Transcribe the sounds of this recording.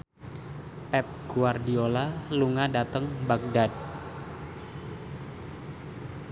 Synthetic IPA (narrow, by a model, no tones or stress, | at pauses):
pɛp̚ɡ̥uardiolaluŋadat̪əŋbak̚dad̚